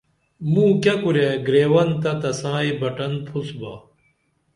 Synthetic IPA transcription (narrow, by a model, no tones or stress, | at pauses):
mũːkɐkuɾeɡɾeːwɐnt̪ɐt̪ɐsãːibɐʈɐnpʰusbaː